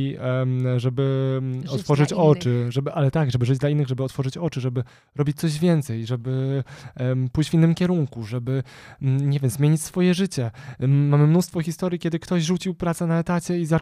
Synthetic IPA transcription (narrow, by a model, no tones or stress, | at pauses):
ʐɛbɘɔt̪fɔʐɘt͡ɕɔt͡ʂɘʐɛbɘʔalɛt̪aɡʐɛbɘʐɘd͡ʑd̪lainːɘɣʐɛbɘɔt̪fɔʐɘt͡ɕɔt͡ʂɘʐɛbɘ | ɾɔbʲit͡ɕ̚ʲt̪ɔʑvʲjɛnt̪sɛjʐɛbɘ | pujt͡ɕvʲinːɘmkʲɛɾuŋkuʐɛbɘɲɛvʲjɛmzmʲjeɲit͡ɕʲsfɔjɛʐɘt͡ɕɛmamɘmnust̪fɔxʲist̪ɔɾʲjikʲjɛd̪ɘkt̪ɔʑʐut͡ɕiwpɾat̪sɛnaɛt̪at͡ɕɛiza